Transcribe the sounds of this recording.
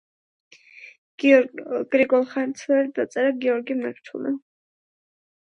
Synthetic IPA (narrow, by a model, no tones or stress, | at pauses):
ɡ̥ɾiɡɔlˠχant̪sʰwɛɾd̪at̪sʼɛɾaɡiɔɾɡimɛɾt̪ʰṵlɛ̰